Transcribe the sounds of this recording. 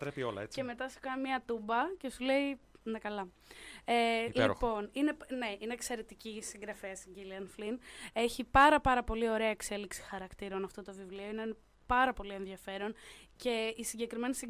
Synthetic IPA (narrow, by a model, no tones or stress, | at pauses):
t̪ɾepio̞lɐet͡seme̞t̪ɐsu̥kɐnmiɐt̪umbɐce̞sule̞inɐkɐlɐ | elipo̞nine̞ne̞ine̞ːkse̞ɾet̪icisiŋɡɾɐfesiɟiliɐnfline̞çipɐɾɐpɐɾɐpo̞lio̞ɾe̞ɐekse̞liksi̥xɐɾɐkt̪iɾonɐft̪o̞t̪o̞vivlio̞inen | pɐɾɐpo̞lie̞nðiɐfe̞ɾo̞nce̞isiɲɟe̞kɾime̞nisi